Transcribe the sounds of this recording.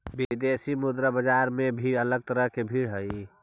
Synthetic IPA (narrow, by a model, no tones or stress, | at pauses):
bid̪esimʊd̪ɾəbəd͡ʒaɾmẽbʱiələɡ̚t̪əɾəɦkebʱiːɽɦəi